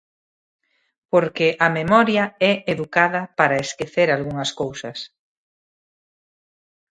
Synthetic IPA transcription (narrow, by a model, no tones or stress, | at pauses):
poɾkɪʔɐmemɔɾjɐɛʔeðukaðɐpaɾɐeskeθeɾalɣuŋɐskowsɐs